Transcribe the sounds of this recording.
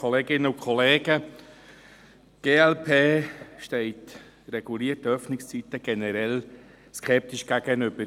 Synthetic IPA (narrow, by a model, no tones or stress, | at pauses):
ɔleːɡɪnːəukʰχɔleːɡ̥ə | ɡ̥eːɛlpʰeːʃtɛɪt | rɛɡ̥uliːərtəœfnɪkst͡sit̪əɡ̥ɛnəɾɛl | skʰɛp̚tiʃɡ̥æɡ̥ənʏb̥əɾ